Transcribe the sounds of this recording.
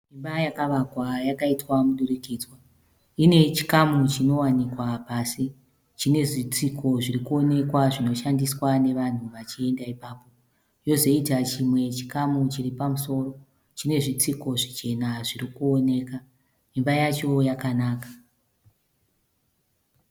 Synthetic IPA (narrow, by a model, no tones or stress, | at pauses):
mimbajakaʋakwajakaitwamuɗurikiːd͡zwa | ine̞t͡ʃi̥kamut͡ʃino̞wanikwapasi | t͡ʃine̞ʐit͡sikʰo̞ʐirikuo̞ne̞kwaʐino̞ʃandiswane̞ʋan̤uʋat͡ʃie̞ndaipaːpo̞ | jo̞zo̞itat͡ʃimwe̞t͡ʃi̥kamut͡ʃiripamuso̞ro̞ | t͡ʃine̞ʐit͡siko̞ʐit͡ʃe̞naʐirikuo̞ne̞ːka | imbajat͡ʃo̞jakanaːkḁ